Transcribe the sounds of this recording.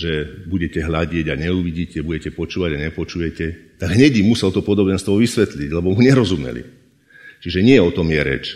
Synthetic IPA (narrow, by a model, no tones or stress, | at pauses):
ʒɛbuɟɛcɛɦlaɟɪɛɟaɲɛuʋiɟiːcɛbuɟɛcɛpɔt͡ʃuːʋaɟaɲɛpɔt͡ʃujɛcɛt̪aɡɦɲɛɟimusɛlt̪ɔpɔd̪ɔbɛnst̪ʋɔʋisʋɛt̪liɟlɛbɔmuɲɛɾɔzumɛ̰lḭ | t͡ʃiʒɛɲɪɛɔt̪ɔmjɛɾɛ̰t͡ʃ